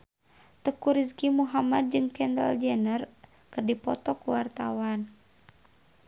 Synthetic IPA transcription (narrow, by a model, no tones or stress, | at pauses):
t̪əkuɾizkimuɦamad̪̚d͡ʒɨŋkɛnda̰ld͡ʒɛnər | kɨrdipɔt̪ɔkuwart̪awan